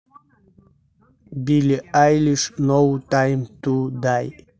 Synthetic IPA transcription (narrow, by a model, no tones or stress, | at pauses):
biliajliʃnowtajmt̪ud̪aj